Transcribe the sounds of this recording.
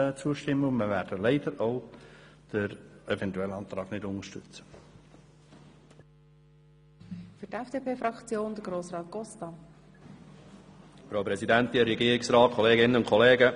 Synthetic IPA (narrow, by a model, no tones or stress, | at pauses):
t͡suːəʃtɪmːəʊnməʋæːɾd̥əlɛɪd̥̪əɾoʊd̪̥əɾɛvɛnt̪uɛlɑːnt̪ɾɑːɡnɪdʊnəʃtʏt͡sə̥ | fytɛfd̥eːpʰeːfɾɑkt͡sjoːnd̥̪əɡɾoːsrɑːt̪̚ɡ̥ɔstɑ | fɾaːpɾɛsidænt̪ɪɾɛɡiːɾɪksɾɑːt̚kʰɔleːɡɪnənʊnkʰɔleːɡə